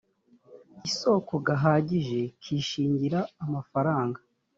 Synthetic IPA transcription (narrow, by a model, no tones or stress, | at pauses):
iso̞ːko̞ɡaɦaːɟiʒe̞kʰiːʃiːɲɟiɾaːmafaɾaːŋɡa